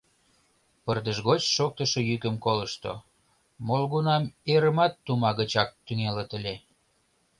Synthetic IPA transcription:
pərd̪əʒɣot͡ɕʃok̚t̪əʃɤjykəmkoləʃt̪o̰ | molɣunɑmeɾəmɑt̪ːumɑɣət͡ɕɑk̚t̪yŋelət̪əlʲe

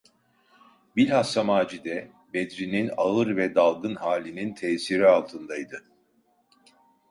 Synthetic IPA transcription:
biɾʲhasːamaːd͡ʒid̪ɛ | bɛd̪ɾininaɯɾvɛd̪alˠɡɯnhaːlʲinint̪ʰɛːsiɾialˠt̪ʰɯnd̪ajd̪ɯ

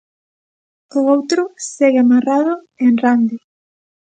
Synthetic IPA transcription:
ʊowt̪ɾʊseɣɪamaraðʊ | enrand̪ɪ

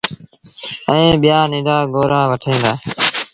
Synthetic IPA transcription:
əẽːɓɪjaːnɪ̃ːɖaːɡoːɾãːʋəʈʰẽːnd̪aː

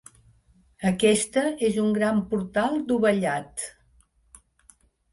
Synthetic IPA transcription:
əkɛst̪əezuŋɡɾampuɾt̪alˠd̪uβəʎat̪

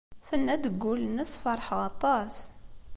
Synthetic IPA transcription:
θənːæd̪əɡːulənːəsfɑɾˤħʁɑt̪ˤɑs

